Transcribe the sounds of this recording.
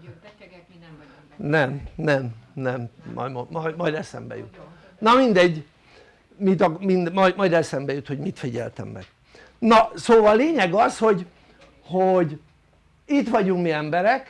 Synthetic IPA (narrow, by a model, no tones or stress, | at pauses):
nɛmnɛmnɛmmɒ̰momjmɒjd̪ɛsɛ̰mbɛ̰jṵt̪ | nɒmind̪ɛɟː | mit̪ɒmind̪mjmɒjd̪ɛsɛmbɛjut̪ho̞ɟmit̪fiɟɛ̰lt̪ɛ̰mːɛ̰ɡ̥ | nɒsoːvɒlleːɲɛɡɒsho̞ɟ | hoɟ | it̪ʋɒɟuŋkmiːɛmbɛɾɛk